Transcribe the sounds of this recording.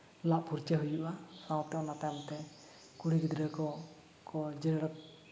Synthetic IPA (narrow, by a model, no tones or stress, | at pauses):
laʔpuɾt͡ʃɛɦujuʔasãw̃t̪ɛɔ̃nat̪ajmt̪ɛ | kuɽiɡid̪ɾɛkɔ | kɔd͡ʒɛɾɛɽa